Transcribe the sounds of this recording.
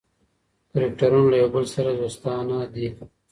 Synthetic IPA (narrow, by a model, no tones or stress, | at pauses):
kɾikʈɐɾunlɐjoːbəlsɐɾad̪oːst̪aːnaːd̪i